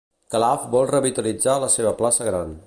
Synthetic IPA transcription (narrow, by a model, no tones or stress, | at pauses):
kəlafbɔlˠrəβit̪əlid͡zaləseβəplasəɣɾan